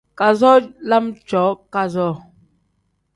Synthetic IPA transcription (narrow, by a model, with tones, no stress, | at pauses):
ka˨zɔ˦la˦mt͡ʃɔ˨˦ka˦zɔ˦˨